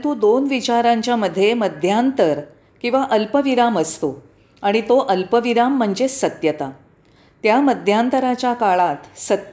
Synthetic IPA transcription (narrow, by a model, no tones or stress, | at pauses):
t̪uːd̪onʋit͡ɕaɾãɲt͡ɕjaməd̪ʱːjeməd̪ʱjant̪əɾ | kĩw̃ʋaʔəlpəʋiɾaməst̪o | aɽ̃it̪oʔəlpəʋiɾam̤ːəɳd͡zesət̪jət̪a | t̪jaməd̪ʱjãnt̪əɾat͡ɕjakaɭat̪sət̪